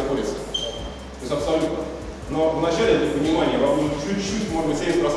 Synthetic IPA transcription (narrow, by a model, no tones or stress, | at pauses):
koɾʲɪt̪səə̥ | t̪oɪsʲɐpsɐlʲut̪nə | no̞vnɐt͡ɕalʲɪɛt̪ʲɪpənʲɪmanʲɪjəvɐvnʲit͡ɕut͡ɕːutʲmoʐbɨtʲsʲelʲɪtʲpɾɐs